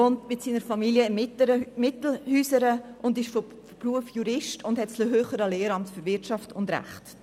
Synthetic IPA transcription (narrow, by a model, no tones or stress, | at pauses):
ontmɪtsiːnəɾfɑmiljəɪməɾəmɪtl̩hyːsəɾəʔʊndɪʃfɔ | fpruəfjuɾɪʃtʰʊndhɛtsloɦøːχəɾəleːɾɑmtfʏɾvɪtt͡ʃɑftʊndɾa̰χt